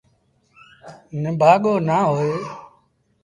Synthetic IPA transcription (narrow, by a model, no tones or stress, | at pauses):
nẽbʱaːɠoːnaːɦoːeː